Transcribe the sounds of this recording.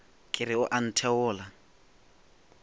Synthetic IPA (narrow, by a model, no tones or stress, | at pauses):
kʼɪɾɪʊʔan̩tʰɛwʊːla